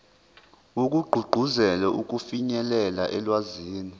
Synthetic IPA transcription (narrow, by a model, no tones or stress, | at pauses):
ok̬ʼuɡ͡ǃʱuɡ͡ǃʱuzɛlɛʔuk̬ʼufiɲɛlɛlaʔɛlwaziːni